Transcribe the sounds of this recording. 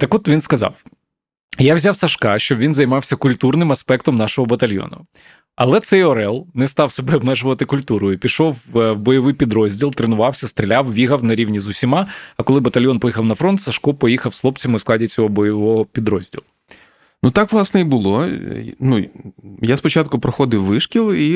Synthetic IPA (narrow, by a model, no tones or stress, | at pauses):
t̪ɐkɔt̪ʋʲinskɐzɑ̰w | jawzʲawsɐʃkɑʃt͡ʃɔbʋʲinzɐjmɑwsʲɐkʊlʲt̪urnɪmɐspɛkt̪ɔmnɑʃɔɦɔbɐt̪ɐlʲjɔ̰nʊ̰ | ɐ̰lˠɛt̪sɛjɔɾɛlˠnɛst̪ɑwsɔbɛɔbmɛʒʊʋɐt̪ɪkʊlʲt̪uɾʊjʊpʲiʃɔwwbɔjɔʋɪjpʲid̪ɾɔzʲdʲilˠt̪ɾenʊʋɑwsʲɐst̪ɾʲɪlʲawʋʲiɦɐwnɐɾʲiwnʲizʊsʲimɑɐkɔlˠɪbɐt̪ɐlʲjɔnpɔjixɐwnɐfɾɔnt̪sɐʃkɔpɔjixɐwslˠɔpt͡sʲɐmɨʊsklˠɑdʲit͡sʲɔɦɔbɔjɔʋɔɦɔpʲid̪ɾɔzʲdʲḭlˠʊ | nut̪ɑkʋlˠɑsnɛibʊlˠɔnujaspɔt͡ʃat̪̚kʊpɾɔxɔd̪ɪwːɪʃkʲilˠi